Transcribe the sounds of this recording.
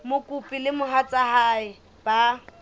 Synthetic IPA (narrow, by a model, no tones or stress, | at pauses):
mʊkʼupʼilɪmʊɦat͡sʼahaːɪ | b̥a